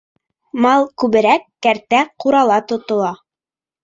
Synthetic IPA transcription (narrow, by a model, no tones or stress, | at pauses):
mɑlˠkʉβɘ̆ɾækːæɾt̪æquɾɑlˠɑt̪ŏt̪ŏlˠɑ